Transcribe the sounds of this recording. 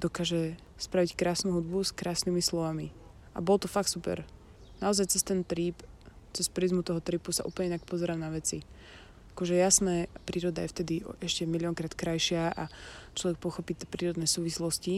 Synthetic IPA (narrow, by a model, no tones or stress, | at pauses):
d̪ɔkaːʒɛ | spɾaʋickɾaːsnuɦud̪buskɾaːsniːmislɔʋami | ʔa̰bɔlt̪ɔfak̚t̪supɛ̰ɾ | naɔzajt͡sɛst̪ɛnt̪ɾiːpt͡sɛspɾizmut̪ɔɦɔt̪ɾiːpusa̰ʔṵːplɲɛinakpɔzɛɾaːmnaʋɛt͡si | akɔʒɛjasnɛːpɾiːɾɔd̪ajɛft̪ɛd̪iɛʃcɛmilɪɔŋkɾaːt̪kɾajʃɪaʔat͡ʃlɔʋɛk̚pɔxɔpiːt̪ɛpɾiːɾɔd̪nɛsuːʋislɔsci